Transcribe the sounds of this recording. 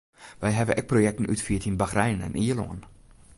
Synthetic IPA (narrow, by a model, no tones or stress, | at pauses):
ʋɛjɦɛvəʔɛk̚projɛk̚tən̩ytfiətʰinbaxrɛjnɛ̰niəlo̰ən